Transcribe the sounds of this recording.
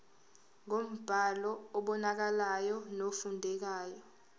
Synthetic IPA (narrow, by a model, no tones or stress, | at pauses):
ŋom̩b̥ʱalɔɔɓɔnak̬alajɔnofundʱɛk̬aːjɔ